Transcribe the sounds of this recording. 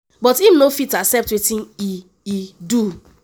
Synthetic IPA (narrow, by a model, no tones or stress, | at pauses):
bɔtinofitasɛp̚twetĩni | idu